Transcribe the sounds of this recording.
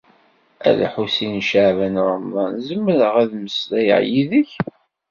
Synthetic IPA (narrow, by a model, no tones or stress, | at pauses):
æ̰ðæ̰ħusinʃaʕvænɾˤəmðˤɑnzəmːəɾəʁæðməslæjə̰ʕjiðəç